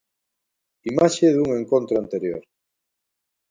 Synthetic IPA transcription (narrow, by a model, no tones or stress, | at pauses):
imaʃeðuŋẽ̞ŋkõnt̪ɾoant̪eɾjo̰ɾ